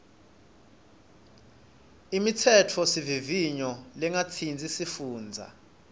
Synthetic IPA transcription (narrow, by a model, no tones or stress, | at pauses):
imitʰɛtʰɔsiviviɲɔlɛŋat͡sʰind͡zʱisifuːnd͡zʱa̰